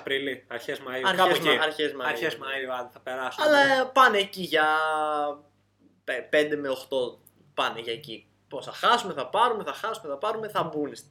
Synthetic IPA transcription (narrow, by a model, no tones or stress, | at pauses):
pɾiliɐɾçezmɐiɐɾɐezɐɾçezmɐɐɾçezmɐiɐd̪θɐpeɾɐsɐlɐpɐneːciʝɐ | epe̞nd̪e̞me̞o̞xt̪o̞ | pɐneʝɐeci | posθɐxɐsume̞θɐpɐɾume̞θɐxɐsume̞θɐpɐɾume̞θɐbunest̪